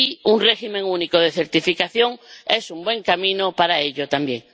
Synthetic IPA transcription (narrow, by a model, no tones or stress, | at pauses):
iunreximẽŋunikoð̞e̞θeɾt̪ifikaθjo̞ŋe̞sumbwẽ̞ŋkamĩnopaɾaeʎot̪ambje̞ŋ